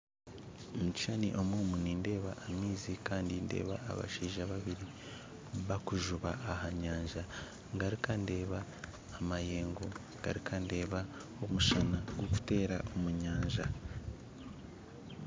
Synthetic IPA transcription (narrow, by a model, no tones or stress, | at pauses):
omuci̥ʃanḭʔo̞mwoːmuninde̞ːβaʔːmiːzikaːndinde̞̰ːβa̰ːβa̰ʃiːʒaβaβiɾi | βakuʒuβaːhaɲaːɲʒa | ŋɡaɾikande̞ːβaː | maje̞ːŋɡoŋɡ̥a̰ɾikʰande̞ːβa | o̞muʃanaɡwoku̥te̞ːɾaʔomuɲaːɲʒa